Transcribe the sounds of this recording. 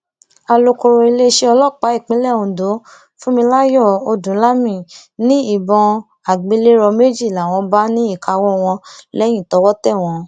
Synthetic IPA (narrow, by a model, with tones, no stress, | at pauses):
a˧lo˧ko˧ɾo˧i˧le˦ʃe˦ɔ˧lɔ˦˨k͡pa˨˦i˦˨k͡pĩ˨˦lɛ˦˨ũ˨do˨˦ | fũ˦mĩ˧la˦jɔ˦˨o˧dũ˨˦la˦mĩ˦˨nĩ˦i˦˨bɔ̃˧ | a˨ɡ͡be˨˧˦le˦ɾɔ˧me˦d͡ʒi˦˨la˨w̃ɔ̃˧ba˦nĩ˦i˦˨ka˧wɔ˦w̃ɔ̃˧lɛ˦j̃ĩ˦˨tɔ˨˦wɔ˦tɛ˦˨w̃ɔ̃˧